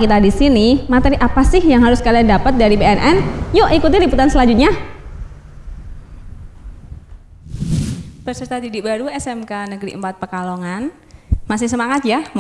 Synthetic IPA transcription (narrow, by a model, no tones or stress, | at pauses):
kit̪adisinimat̪ɛɾiʔapasɪhjaŋɦaɾʊskaliandapət̪̚daɾibeɛnʔɛnjoʔikut̪iliput̪ansəlaɲd͡ʒut̪̚ɲa | bərsərt̪ad̪idibaɾuɛsɛmkanəɡɾḭəmpat̪̚pərkaloŋan | masɪhsəmaŋat̪̚jam